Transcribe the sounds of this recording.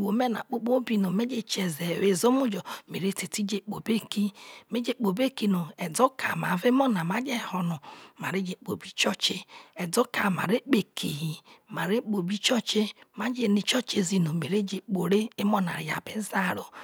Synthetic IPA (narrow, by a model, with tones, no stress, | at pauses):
wo˨me˦na̰˨k͡po˦k͡po˦bi˨no˨me˦d͡ʒe˦t͡ʃe˨ze˨we˦zo˦mu˦d͡ʒɔ˨me˨ɾe˦te˨ti˦d͡ʒe˦k͡po˨be˦ki˦me˦d͡ʒe˦˨k͡po˨be˦ki˨no˨ɛ˨do˦kʰa̰˨ma̰˨ve˦mo˦na˨ma˦d͡ʒe˦hɔ˨no˨ma˨ɾe˦d͡ʒe˨k͡po̰˨bi˦t͡ʃɔ˦t͡ʃe˦ɛ˨do˦ka˨ma̰˨ɾe˦k͡pe˨kʰi˨ɦi˨ma˨ɾe˦k͡po˨bi˦t͡ʃɔ˦t͡ʃe˦ma˨d͡ʒe˦˨ni˨t͡ʃɔ˦t͡ʃe˨zi˨no˨me˨ɾe˦d͡ʒe˨k͡po˨ɾe˦e˦mo˦na̰˨ɾja̰˨be˦za˦˨ɾo˨